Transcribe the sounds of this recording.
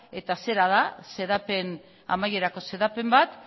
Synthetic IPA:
e̞t̪ase̞ɾað̞ase̞ðape̞n | a̰maje̞ɾako̞se̞ðape̞mbat̪

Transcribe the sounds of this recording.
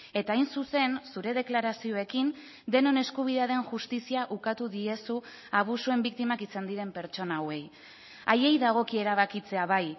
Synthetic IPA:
e̞t̪aːjnsuse̞nsuɾe̞ð̞e̞klaɾasio̞e̞kin | d̪e̞no̞ne̞skuβ̞iðeaðe̞nʝust̪isiaʔukat̪uðie̞su | aβ̞usue̞mbik̚t̪imakisand̪iɾe̞mpe̞ɾt͡ʃo̞nawe̞j | aje̞jðaɣ̞o̞kie̞ɾaβakit͡se̞aβaj

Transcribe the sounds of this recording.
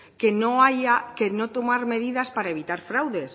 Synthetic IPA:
kenoajakenõt̪omaɾmeðiðaspaɾaeβit̪aɾfɾawðes

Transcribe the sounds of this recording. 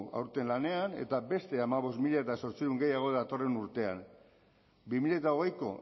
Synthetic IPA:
a̰wɾt̪e̞nlane̞ane̞̰t̪abe̞st̪e̞amaβo̞smiʎaet̪aso̞ɾt͡siɾuŋɡe̞jaɣ̞o̞ðat̪o̞re̞nuɾt̪e̞a̰n | bimiʎat̪aoɣ̞e̞jko̞̰

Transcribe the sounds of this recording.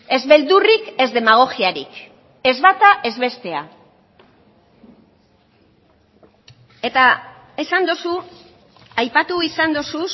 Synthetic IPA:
e̞zβe̞ld̪urike̞zd̪e̞maɣ̞o̞ɣiaɾḭk | e̞zβat̪aʔe̞zβe̞st̪e̞a̰ | e̞t̪a | esand̪osu | ajpat̪uisand̪osu

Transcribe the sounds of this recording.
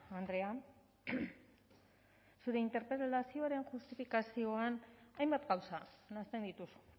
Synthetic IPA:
and̪ɾe̞a | suɾe̞int̪e̞ɾpɾe̞llasio̞aɾe̞nxust̪ifikasio̞anajmbat̪ɡawsanast̪e̞nd̪it̪usu̥

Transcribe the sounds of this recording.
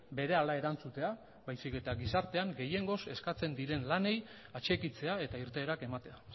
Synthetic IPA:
be̞ɾe̞alae̞ɾant͡sut̪e̞a | bajsike̞t̪aɡisaɾt̪e̞aŋɡe̞je̞ŋɡo̞se̞skat͡se̞nd̪iɾe̞nlane̞j | at͡ʃe̞kit͡se̞ae̞t̪aiɾt̪e̞ːɾake̞mat̪e̞a

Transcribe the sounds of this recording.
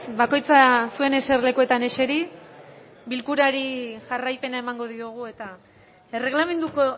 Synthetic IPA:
bako̞jt͡sasue̞ne̞se̞rle̞kue̞t̪ane̞ʃe̞ɾi | bilkuɾaɾiʝarajpe̞nae̞maŋɡo̞ðioɣ̞ue̞t̪a | e̞re̞ɣ̞lame̞nd̪uko

